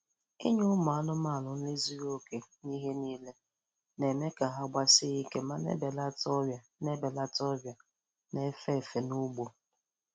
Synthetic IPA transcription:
ḭ˦ɲʊ˦ma˨a˦nʊ˦ma˦˨lʊ˨n̩˦le˦zi˦ɾo˦ke˨ni˦ɦe˦niː˦le˦ | ne˨me˦ka˨ɦa˦ɡ͡ba˦sɪ˦i˦ke˦ma˦nḛ˦be˨la˦tɔ˦a˨ | ne˦be˨la˦tɔ˦bja˨ | ne˦fe˦˨fe˨nu˦ɡ͡bo˨

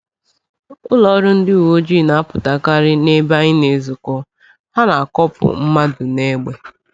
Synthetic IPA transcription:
ʊ˦lɔ˦ɾʊ˦n̩˦dɪ˦u˨wo˦d͡ʒi˦˨na˨a˦pʊ˨ta˨ka˦ɾɪ˦ne˦ba˦ɪ˦ne˨zʊ˨kɔ˦ | ha˦na˨a˨kɔ˦pʊ̰˨m̩˦ma˦dʊ˨ne˦ɡ͡be˨

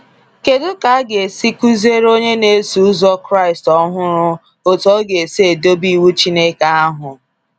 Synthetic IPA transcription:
ke˨dʊ˦ka˨a˦ɡe˨si˦ku˦ze˦ɾo˦ɲe˦ne˦su˨˦zɔ˦kɾa˦˨ɪ˨stɔ˦ɦʊ˦ɾʊ˦ | o˨tɔ˦ɡe˨se˦˨do˦bi˦˨wu˦t͡ʃi˦ne˦ka˦a˦ɦʊ˨

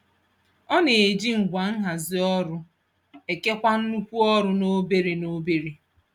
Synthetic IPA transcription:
ɔ˦ne˨e˨d͡ʒi˦ŋ̩˨ɡʷa˨ŋ̩˦ɦa˨zɪ˨ɔ˦ɾʊ˦ | e˨ke˦kʷa˦n̩˦nu˦kʷu˦ɔ˦ɾʊ˦no˦be˦ɾe˨no˦be˦ɾi˨

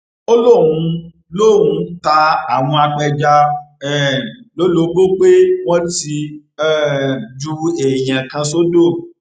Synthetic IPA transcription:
o˦lo˦˨wũ˧ | lo˦˨wũ˧ta˧a˨w̃ɔ̃˧a˧k͡pɛ˧d͡ʒa˧ɛ˦˨lo˨˦lo˨˦ɡo˦k͡pe˦wɔ̃˦ti˧ | ɛ˦˨d͡ʒu˧e˨j̃ã˨kã˧so˦do˦˨

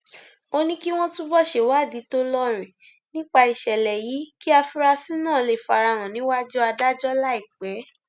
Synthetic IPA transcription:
o˧nĩ˦ki˦w̃ɔ̃˦tũ˦bɔ˦ʃe˨wa˦˨di˨˦to˦lɔ˦˨ɾ̃ĩ˨ | nĩ˦k͡pa˧i˨ʃɛ˨lɛ˨ji˨˦ki˦a˧fi˧ɾa˧si˦nãː˦˨le˨fa˧ɾa˧˨ɾ̃ã˨nĩ˨˦wa˦d͡ʒɔ˦a˧da˦d͡ʒɔ˦la˦i˦˨k͡pɛ˨˦

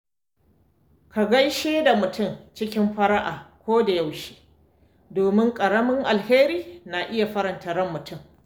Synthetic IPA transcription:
ka˨ɡɐ˦jʃeː˦da˨mʊ˨tʊ˦˨mt͡ʃɪ˦kʲɪ˦mɸɐ˦ɾa˦ʔaː˨kʷoː˦da˨ja˦˨wʃi̥ː˦ | doː˨mɪ˦ŋkʼɐ˨ɽɐ˦mɪ˦ŋʔa˨lheː˦ɾiː˦na˨ʔɪ˦ja˨ɸɐ˦ɾɐ˨ntɐ˨ɾɐ˦mːʊ˨tʊ˦˨m

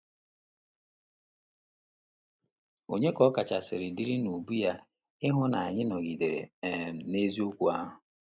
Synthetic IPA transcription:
o˨ɲe˦kɔ˦ka˨t͡ʃa˨sɪ˨ɾɪ˨di˦ɾi˦nu˨bu˦ja˦ | ɪ˦ɦʊ˦na˨a˨ɲɪ˦nɔ˨ɡi˨de˨ɾḛ˨m̩˨ne˦zi˦o˦kʷu˦a˦ɦʊ˨

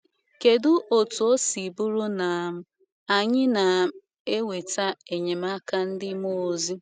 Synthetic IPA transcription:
ke˨dʊ˦ʔo˨tu˨o˦si˨bu˦ɾu˦na˨m̩˦ | a˨ɲɪ˦na˨˦ | e˦we˨ta˦e˨ɲe˨m˦a˦ka˦n̩˦dɪ˦mo˦o˨zi˦

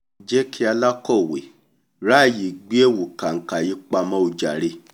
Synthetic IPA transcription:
d͡ʒɛ˦kʰi˦a˧la˦kɔ˦˨wḛ˨ | ɾa˦˨ji˨ɡ͡bi˦e˦˨wu˨ka˨ŋ̩˨ka˨ji˨˦k͡pa˧mã˦o˧d͡ʒa̰˨ɾe˧

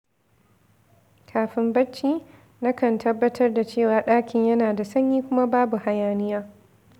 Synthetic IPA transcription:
kʰaː˨ɸɪ˦mbɐ˦t͡ʃːiː˦ | na˦kɐ˨ntʰɐ˦bːɐ˦tʰɐ˦rda˨t͡ʃeː˦˨waː˨ɗaː˦kʲɪ˨ɲjɐ˦naː˨da˨sɐ˦ɲjiː˦kʷʊ˦ma˦baː˦bu˨ha˨jaː˦˨nɪ˦jaː˦

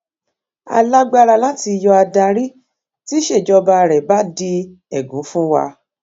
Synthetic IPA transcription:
a̰˧la˦ɡ͡ba˦˧ɾa˧la˦ti˧jɔ˧a˧da˧ɾi˦ | ti˦ʃe˦˨d͡ʒɔ˧ba˧ɾɛ˨ba˦di˧ | ɛ˨ɡũ˨˦fũ˦wa̰˧

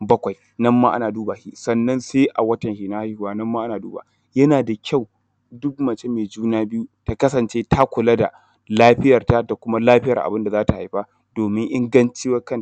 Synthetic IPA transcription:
bɐ˦kʷa˨j | nɐ˦mːaː˦ʔa˦naː˨duː˦baː˨hi˦sɐ˨nːɐ˦nseː˦ʔa˨wɐ˦tɐ˨ŋhiː˨naː˦ha˦hu˨waː˦nɐ˦mːaː˦ʔa˦naː˨duː˦ba̰˨ | jɐ˦naː˨da˨kʲa˦˨w | dʊ˦kmɐ˨t͡ʃe˦meː˨d͡ʒuː˦naː˦bɪ˦ju˦ta˨kɐ˦sɐ˨nt͡ʃeː˦tʰa˦kʷʊ˨lɐ˦da̰˨ | laː˦ɸɪ˦jɐ˨rta˦da˨kʷʊ˦ma˦laː˦ɸɪ˦jɐ̰˨rʔa̰˨bɪ˦nda˨zaː˦ta˨ha˨jɸa˦ | d̥oː˨mɪ˦ŋʔɪ˦ŋɡɐ˦nt͡ʃɪ˦wɐ˦kɐ˦n˨

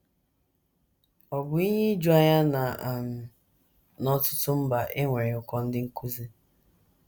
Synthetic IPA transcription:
ɔ˨bʊ˨˦i˦ɲe˦d͡ʒu˦a˦ɲa˦na˨a˨m̩˨ | nɔ˦tʊ˦tʊ˦m̩˦ba˨ʔe˦ŋʷe˨ɾɪ˨ʊ˨kɔ˦n̩˦dɪ˦ŋ̩˦ku˦ze˦

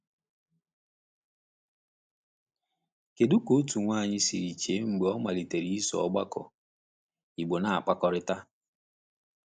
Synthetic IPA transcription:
ke˨du˦ko˦tu˨ŋʷa˦˨ɲɪ˦si˨ɾi˨t͡ʃe˨˦ŋ͡m̩˨ɡ͡be˨ɔ˦ma˨li˨te˨ɾi˦i˦sɔ̰˨ɔ˦ɡ͡ba˦kɔ̰˨ | i˨ɡ͡bo˨na˨a˨k͡pa˦kɔ˦ɾɪ˦ta˦

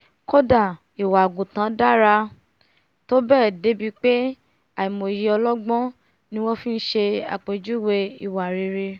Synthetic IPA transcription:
ko˦da˦˨ | i˨wa˨ɡũ˨tã˨˦da˦ɾa˧ | to˦bɛː˦˨de˨˦bi˧k͡pe˦ | a˨i˨mo˨ji˧˦ɔ˧lɔ˦ɡ͡bɔ̃˦ | nĩ˦wɔ̃˦fĩ˦n̩˦ʃe˧a̰˨k͡pe˨d͡ʒu˦we˧i˨wa˨ɾe˨˧ɾe˧

